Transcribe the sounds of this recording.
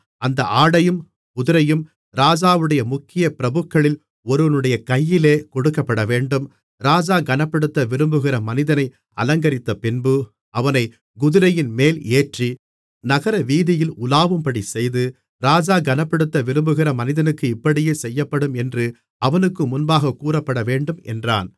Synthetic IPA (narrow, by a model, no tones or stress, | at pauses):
ɐnd̪ɐʔaːɽɐjɯm | ʊðʊɾɐjɯm | ɾaːd͡ʒaːʋɯɽɐjɐmʊkːɪjɐpɪɾɐbɯkːɐɭɪl | ɔɾɯʋɐnɯɽɐjɐkɐjːɪleːkɔɽɯkːɐpːɐɽɐʋeːɳɖɯm | ɾaːd͡ʒaːɡɐnɐpːɐɽɯt̪ːɐʋɪɾɯmbɯɣɪɾɐmɐnɪðɐnɐɪ | ɐ̰lɐŋɡɐɾɪt̪ːɐpɪnbɯ | ɐʋɐnɐɪ | ɡʊðɯɾɐjɪnmeːleːʈri | nɐɣɐɾɐʋiːðɪjɪlʊlaːʋɯmpɐɽisɛjðɯ | ɾaːd͡ʒaːɡɐnɐpːɐɽɯt̪ːɐʋɪɾɯmbɯɣɪɾɐmɐnɪðɐnɯkːɯɪpːɐɽɪjeːsɛjːɐpːɐɽɯmɛndrɯ | ʔɐʋɐnɯkːɯmʊnbaːɣɐkːuːɾɐpːɐɽɐʋeːɳɖɯmɛ̰ndra̰ːn